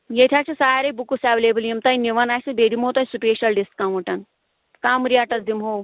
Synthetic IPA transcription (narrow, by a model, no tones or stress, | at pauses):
jet̪ʲʰaːt͡ʃʰɐsaːɾebukusaːʋleːbɐljimt̪ɐjniʋɐnaːsɐbeːd̪imɦoːt̪ɐjsupʲeːʃɐlɖiskkamɐʈɐn | kaːmɾijaːʈɐsd̪imɦoːw